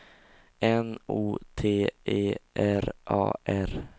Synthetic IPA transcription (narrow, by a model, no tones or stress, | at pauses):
ʔɛnuːt̪ʰeːʔeːʔæɾʔɑ̰ːʔæɾ